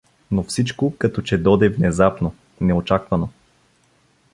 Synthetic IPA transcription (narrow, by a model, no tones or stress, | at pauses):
nofsit͡ʃkokɐt̪ɔt͡ʃɛd̪ɔd̪ɛvnɛzapno | nɛot͡ʃakvɐno